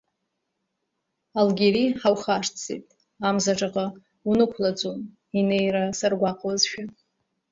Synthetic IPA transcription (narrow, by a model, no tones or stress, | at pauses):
alɡʲeɾiħawχaʂt͡sḛtʼ | amzaʈ͡ʂʼaqʼa | unɨkʷʰlad͡zʼun | ine̞jrasarɡʷaqʼwazʃᶣa